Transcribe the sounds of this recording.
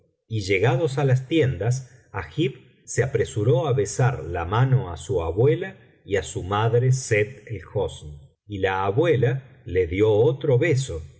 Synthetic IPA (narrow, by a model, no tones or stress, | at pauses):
iʒe̞ɣaðosalas̬t̪je̞nd̪as̬axip | seapɾesuɾo̞aβe̞saɾlamano̞asuaβwela | iasumaðɾeset̪elxosn | ilaːβwela | le̞ðjo̞ot̪ɾo̞βes̬o̞